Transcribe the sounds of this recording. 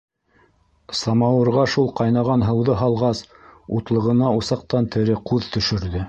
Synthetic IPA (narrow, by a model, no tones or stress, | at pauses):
sɑmɑwɤ̆ɾʁɑʃulˠqɑjnɑʁɑnɦɤ̆wðɤɦɑlˠʁɑs | ut̪lˠɤ̆ʁɤ̆nɑusɑq̚t̪ɑnt̪ʰɘ̆ɾɘquðt̪ɵ̆ʃɵ̆ɾðɘ